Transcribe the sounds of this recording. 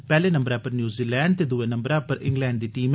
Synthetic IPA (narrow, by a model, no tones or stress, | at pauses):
pɛːleːnə̃mbəɾãːpəɾnjuːziːlɛːɳɖt̪eːd̪uʋeːnəmbəɾãːpəɾɪ̰̃ŋɡlɛːɳɖd̪iːʈiːm